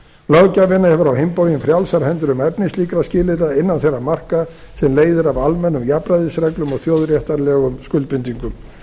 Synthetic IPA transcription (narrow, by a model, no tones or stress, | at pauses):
lœɣcavɪnːahɛvʏɾawɦejmpoːwjɪmfɾjawlsaɾhɛnt̪ʏɾʏmɛpnɪsliːkɾascɪːlɪɾaɪnːanθejrːamar̥ka | sɛmleːjðɪɾavalmɛnːʏmjapɾajðɪsɾɛklʏmɔɣθjoːwðɾjɛht̪aɾlɛɣʏmskʏlt̪pʏnt̪iŋkʏm